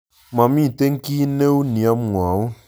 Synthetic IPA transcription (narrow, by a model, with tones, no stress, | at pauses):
mã˨mĩ˦˨te˦ŋ̩˦ki˦ne˦wu˦nĩ˨a˦m˦u˨a˨ʊ̃˦